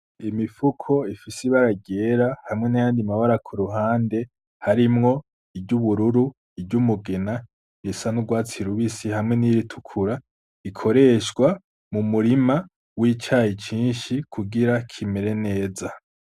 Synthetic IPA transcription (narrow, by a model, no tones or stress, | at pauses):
imifukʰo̞ifisiβaɾaɡɟeːɾahamŋe̞najaːndimaβaɾakʰuɾuɦaːnde̞ | haɾimŋo̞ | ibɟuβuɾuɾu | ibɟumuɡena | jisanuɡwaːt͡siɾuβisihamŋe̞niɾitʰu̥kʰuɾa | ikʰo̞ɾe̞ʃɡwa | mumuɾima | wiːt͡ʃaːjit͡ʃiːnʃikʰuɡiɾakʰimeɾe̞ne̞ːza